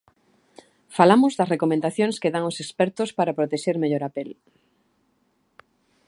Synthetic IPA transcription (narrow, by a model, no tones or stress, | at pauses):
falamʊzðɐsrekomẽnd̪aθjoŋskeðaŋosekspɛɾt̪ʊspaɾɐapɾot̪eʃeɾmeʎoɾapel